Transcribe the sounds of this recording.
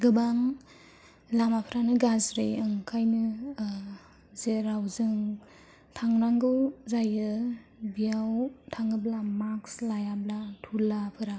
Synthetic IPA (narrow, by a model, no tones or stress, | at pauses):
ɡɯbaŋ | lamapʰɾanɯɡazɾɯjɯŋkʰajnɯ | zeɾawzɯŋ | tʰaŋɾaŋɡɯwzajɯbijawtʰaŋɯblamakslajablatʰulapʰɯɾa